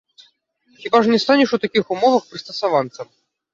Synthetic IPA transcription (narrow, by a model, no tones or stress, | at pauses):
xʲibaʐnʲɛst̪anʲɛʂut̪akʲixumɔvɐxpɾɨst̪ɐsavant̪sɐm